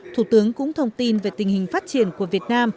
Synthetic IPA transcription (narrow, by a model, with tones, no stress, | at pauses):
t̪ʰu˧˩t̪ɨ˨˦əŋkʊ̰˧˥ŋ͡mt̪ʰə˧wŋ͡mt̪i˧nve˨˩t̪ï˨˩ŋ̟hï˨˩ŋ̟faː˦˥t̚t͡ɕi˧˩ənku˧˩əvi˨˩ət̚naː˧m